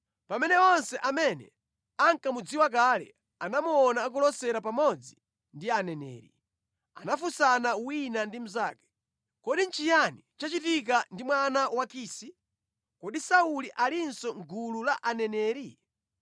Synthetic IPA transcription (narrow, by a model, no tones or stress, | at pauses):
pamɛnɛɔnsɛʔamɛnɛ̰ | aŋkamud͡ziwak̬alɛ̰ | anamuɔnaːk̬ɔlɔsɛɾapamɔd͡zi | ndianɛnɛ̰ːɾḭ | a̰nafusanawinandim̩zaːkɛ̥ | kɔɗint͡ʃijanit͡ʃat͡ʃitik̬andimwanawakiːsi | kɔɗisauliʔalinsɔŋɡululaʔanɛnɛːɾi